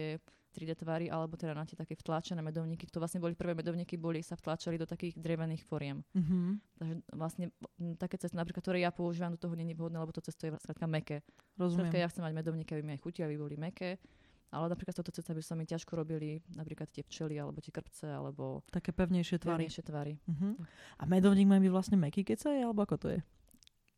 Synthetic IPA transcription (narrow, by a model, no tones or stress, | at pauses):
ɪɛ | t̪ɾid̪ɛt̪ʋaɾiʔalɛbɔt̪ɛd̪anat̪ɪɛt̪akɛft̪lat͡ʃɛnɛːmɛd̪ɔʊɲikikt̪ɔʋlasɲɛbɔlipr̩ʋɛːmɛd̪ɔʊɲikibɔlisaft̪lat͡ʃalid̪ɔt̪akiːɣd̪ɾɛʋɛniːxfɔɾɪɛm̩ | t̪aɡʒɛʋlasɲɛt̪akɛːt͡sɛst̪inapɾikat̪t̪ɔɾɛːjapɔuʒiːʋamd̪ɔt̪ɔɦɔɲɛɲiʋɦɔd̪nɛːlɛbɔt̪ɔt͡sɛst̪ɔjɛskɾat̪̚kamɛkɛɾɔzukmɾatɛkajaxt͡sɛmːaɟmɛd̪ɔʊɲiːkɛabimiajxuciaʋibɔlimɛkɛ | ʔa̰lɛnapɾiklat̪ɔt̪ɔt͡sɛst̪abisamicaʃkɔɾɔbilinapɾiːklat̪t̪ːɪɛft͡ʃɛlialɛbɔt̪ɪɛkr̩pt͡sɛa̰lɛ̰bɔ̰t̪akɛpɛʊɲɛjʃɪɛt̪ʋaɾɲɛjʃɪɛt̪ʋaɾiɦ̩ʔa̰mɛd̪ɔʊɲiːɡmaibiʋlasɲɛmɛkikɛcsajɛalɛbɔakɔt̪ɔ̰jɛ̰